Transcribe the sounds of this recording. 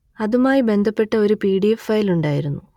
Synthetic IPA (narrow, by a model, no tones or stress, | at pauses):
ɐðumaːjibe̞nd̪ʱɐpːe̞ʈːɐo̞ɾupiːɽijefɐjiluɳɖaːjiɾunːu